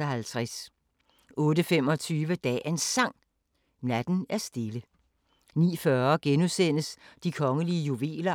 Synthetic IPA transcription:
ɒɦælt͡sʰʁas | ɔ̽ːɾəfem̰ɒ̽t͡sʰyːʋəd̥ɛ̰ːe̝nsɑ̈ŋ̰ | næd̥n̩æɐsd̥e̝lə | nḭːfɶɐɡ̥enusen̰əsd̥ikʰɒ̽ŋəliəjuʋe̝̰ːlɐ

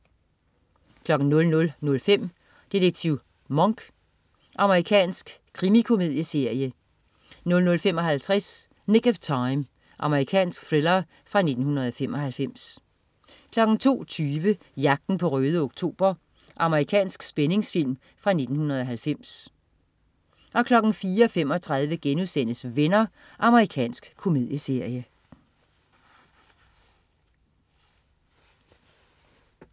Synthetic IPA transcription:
kʰlɒ̽ɡ̥n̩nːɔ̽lnɔ̽lnɔ̽lfem̰ | d̥ideɡ̥̚t͡sʰiʊ | mɒ̽ŋɡ̥ | ʔɑ̈məʁikʰɛ̰ːnsɡ̥kʰːʁimikʰo̝me̝ðˠjəse̝ɐ̰jə | nɔ̽lnɔ̽lfemɒ̽ɦælt͡sʰʁɛs | ne̝ɡ̥æft͡sʰɑ̈ɪm | ʔɑ̈məʁikʰɛ̰ːnsɡ̥θʁelɐ | fʁɑ̈ne̝d̥n̩hunɐð̞̩ˠɒ̽fem̰ɒ̽hælfem̰s | kʰlɒ̽ɡ̥n̩t͡sʰo̝̰ːt͡sʰyːʋə | jɑ̈ɡ̥̚d̥n̩pʰɒ̽ʁøːð̞ˠoɡ̥̚t͡sʰo̝̰ːb̥ɐ | ʔɑ̈məʁikʰɛ̰ːnsɡ̥sb̥ene̝ŋsfil̰m | fʁɑ̈ne̝d̥n̩hunɐð̞̩ˠɒ̽ɦælfem̰s | ʔɒ̽kʰlɒ̽ɡ̥n̩fiːɐɒ̽fem̰ɒ̽t͡sʰʁɑ̈ð̞ˠʋəɡ̥enuðˠsen̰əsʋenɐ | ʔɑ̈məʁikʰɛ̰ːnsɡ̥kʰo̝me̝ð̞ˠjəse̝ɐ̰jə

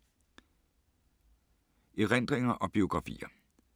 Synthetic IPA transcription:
ʔiʁen̰d̥ʁeŋɐʔɒ̽b̥io̝ɡ̥ʁɑ̈fḭːɐ

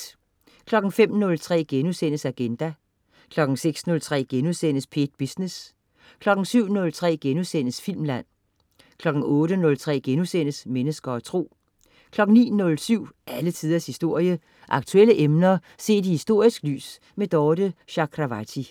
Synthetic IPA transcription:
kʰlɒ̽ɡ̥n̩fem̰nɔ̽lt͡sʰʁɛ̰ːɡ̥enusenəsæɡ̥end̥æ | kʰlɒ̽ɡ̥n̩seɡ̥snɔ̽lt͡sʰʁɛ̰ːɡ̥enusen̰əspʰe̝̰d̥̚b̥isnes | kʰlɒ̽ɡ̥n̩syʊ̰nɔ̽lt͡sʰʁɛ̰ːɡ̥enuðˠsen̰əsfil̰mlæn̰ | kʰlɒ̽ɡ̥n̩ɔ̽ːɾ̥ənɔ̽lt͡sʰʁɛ̰ːɡ̥enusenəsmenəsɡ̥ɐɒt͡sʰʁo̝̰ː | kʰlɒ̽ɡ̥n̩nḭːnɔ̽lsyʊ̰ʔælət͡sʰiðˠɐshisd̥o̝ɐ̰jə | ʔɑ̈ɡ̥t͡sʰueləʔemnɐ | se̝̰ːd̥ihisd̥o̝ɐ̰isɡ̥ly̰ːs | med̥ɒːd̥əɕɑ̈kʰʁɑʋæt͡sʰi

